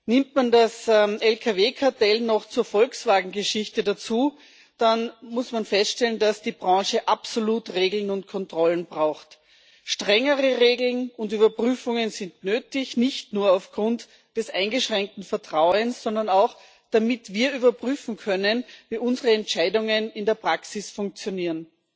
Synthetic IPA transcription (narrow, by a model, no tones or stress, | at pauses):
nɪmtmandasɛlkʰaveːkʰaɐtɛlnɔxt͡suːɐfɔlksv̥aːɡŋ̩ɡəʃɪçtədat͡suː | d̥anmʊsmanfɛstʃtɛləndasd̥iːbʁɑ̃ːʃəʔapsoluːtʁeːɡl̩nʊnt̚kʰɔntʁ̥ɔlənbʁaʊxt | ʃtʁ̥ɛŋəʁəʁeːɡl̩nʊndyːbɐpʁ̥yːfʊŋənzɪntnøːtɪçnɪçtnuːɐaʊfɡ̥ʁʊnt | d̥ɛsʔa̰ɪnɡəʃʁ̥ɛŋk̚tn̩fɛɐtʁ̥aʊənsːɔndɐnaʊx | d̥amɪtviːɐyːβɐpʁ̥yːfn̩kʰœnənviːʔʊnzəʁəɛntʃaɪdʊŋənɪndeːɐpʁ̥aksɪsfʊ̃ŋk̚t͡sjoniːɐn